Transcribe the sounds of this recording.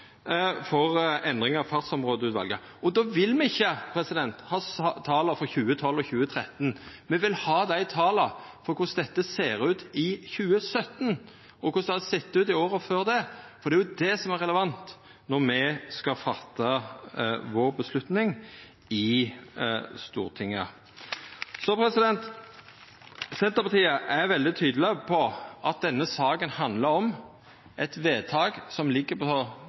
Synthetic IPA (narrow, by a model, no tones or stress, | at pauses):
fɔɾɛnd̪ɾɪŋɑɑfɑt̪sɔmɾoːd̪əʉːt̪ʋɑ̰lɡə | ɔd̪oːʋɪlmɛɪçːəpʰɾɛsɪd̪ɛnt̪hɑːst̪ʰɑːlɑfɔçʉːət̪ʰɔlːɔçʉːət̪ʰɾɛt̪ːnmɛʋɪlhɑːd̪æɪt̪ʰɑːlɑfɔɾkʰʊsd̪ɛt̪ːəseːɾʉːt̪ɪçʉːəsœt̪ːn | ɔkʊsd̪ɛhɑsɛt̪ːʉːt̪ɪoːɾəføːɾd̪ɛfɔɾd̪ɛæjʊd̪ɛsɔmæɾɛləʋɑnt̪ | nɔʁmɛskɑfɑt̪ʰːɑ | ʋoːɾbəslʉt̪nɪŋ | ɪ | st̪ṵːʁt̪ʰɪŋːə̰ | sɔpɾɛsɪd̪ɛnt̪ | sɛnt̪əɾpɑt̪iːəʔæɾʋɛld̪ɪt̪ʰyːd̪l̩ɪpʰɔʔɑt̪̚d̪ɛnːəsɑːkənhɑnd̪ləɾɔm | ʔɛt̪ʋeːt̪ʰɑːɡsɔmlɪɡːəpʰɔɔ